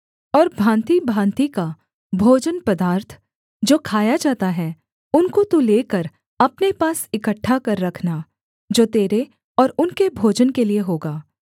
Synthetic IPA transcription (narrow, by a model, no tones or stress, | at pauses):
ɔːɾbʱãːnt̪ibʱãːnt̪ika | bʱoːd͡ʒənpɐd̪aːɾt̪ʰ | d͡ʒoːkʰaːjad͡ʒaːt̪aɦɛ | ʊnkot̪uleːkəɾ | ɐpnepaːsɪkəʈʰːakɐɾːɐkʰna | d͡ʒoːt̪eːɾe | ɔːɾʊnkebʱoːd͡ʒənkelieɦoːɡaː